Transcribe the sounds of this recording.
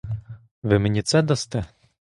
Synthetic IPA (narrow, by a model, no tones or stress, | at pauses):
ʋɪmenʲit̪sɛd̪ɔst̪ɛ